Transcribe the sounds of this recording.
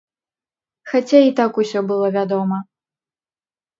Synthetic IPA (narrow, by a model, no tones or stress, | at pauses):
xat͡sʲait̪akusʲɔbɨlˠɔvʲad̪ɔmɐ